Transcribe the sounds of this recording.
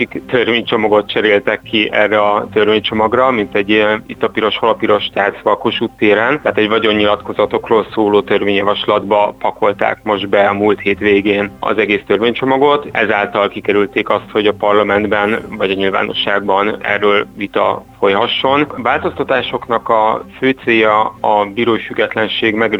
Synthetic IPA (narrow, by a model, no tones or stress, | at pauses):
ikt̪ørveːɲt͡ʃo̞mɒɡo̞t̪̚t͡ʃɛɾeːlt̪ɛkːiɛrːɛɒt̪ø̞rveːɲt͡ʃo̞mɒɡrɒmint̪ɛɟːit̪ːɒpiɾo̞ʃholɒpiɾo̞ʃt̪aːsʋɒkoʃuːt̪ːeːɾɛnt̪aːt̪ɛɟvɒɟo̞ɲːilɒt̪ko̞zɒt̪o̞kroːlsoːloːt̪ørveːɲjɒvɒʃlɒd̪bɒpɒko̞lt̪a̰ːkmo̞ʒd̪bɛɒmuːlt̪heːt̪ʋeːɡeːnɒ̰zɛɡeːst̪ørveːɲt͡ʃo̞mɒɡo̞t̪ɛzaːlt̪ɒlkikɛɾylt̪eːkɒst̪ho̞ɟɒpɒrlɒmɛnd̪bɛnvɒɟɒɲilva̰ːno̞̰ʃːaːɡbɒnɛ̰rːøːlvit̪ɒ̰fo̞jɦɒʃːo̞nvaːlt̪o̞st̪ɒt̪aːʃo̞knɒkɒføːt̪seːjɒɒbiːɾoːifyɡːɛt̪lɛnʃeːɡmɛɡ